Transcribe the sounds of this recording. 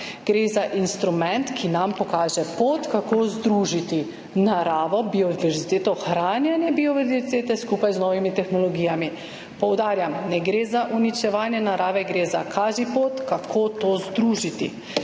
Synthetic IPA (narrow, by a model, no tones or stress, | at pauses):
ɡ̥ɾeːzaʔinst̪ɾumɛnt̪kʰinampɔkaːʒɛpoːt̪kakoːzd̪ɾuːʒit̪i | naɾaːʋɔbiɔdiʋɛɾzit̪eːt̪ɔxɾaːnjanjɛbiɔʋɛɾziit̪eːt̪ɛskupajznɔːʋimit̪ɛxnɔlɔɡijami | pɔwd̪aːɾjamnɛɡɾeːzaʔunit͡ʃɛʋaːnjɛnaɾʔaːʋɛɡɾeːza̰kʰaːʒipoːt̪kakʰoːt̪ozd̪ɾuʒit̪ḭ